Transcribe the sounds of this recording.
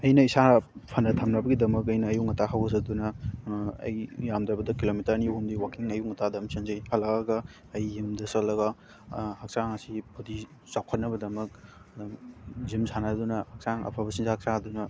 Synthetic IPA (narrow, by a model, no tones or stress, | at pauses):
ɐjnɐisapʰɐnːɐtʰɐmnɐbɐɡidɐmɐkɐjnɐːjuŋɐtaɦɐwɐzɐd̪unɐ | ɐ̰jːamd̪ɾɐbɐdɐkilomitɐɾnihumdiwakiŋɐjuŋɐtadɐmsɐnzɐjhɐlːɐaɡɐ | ɐjːimdɐsɐlːɐɡɐ | hɐksaŋɐsibʰudi | sawkʰɐt̚nɐbɐdɐmɐk̚ | dɐmzimsanɐdunɐhɐk̚saŋɐ̰pʰabɐsinzahɐk̚saɐd̪unɐ